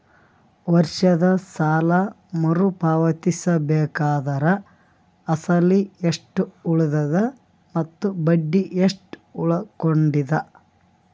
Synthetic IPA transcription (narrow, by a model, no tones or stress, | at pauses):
ʋɐɾʂɐd̪ɐsaːlɐ | mɐɾupaːʋɐt̪isɐbɛːkaːd̪ɐɾɐ | ɐsɐlieʂʈuuɭud̪ɐd̪ɐ | mɐt̪ːubɐɖːiʔeʂʈuɭɐkoɳɖid̪ɐ